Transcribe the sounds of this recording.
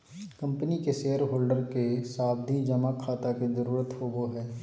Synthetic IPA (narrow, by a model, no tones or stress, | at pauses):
kɐ̃mpənikeseːəɾɦoːlɖəɾkesaːb̚d̪ʱid͡ʒɐmakʰaːt̪akizəɾuːɾət̪hoːboɦɛː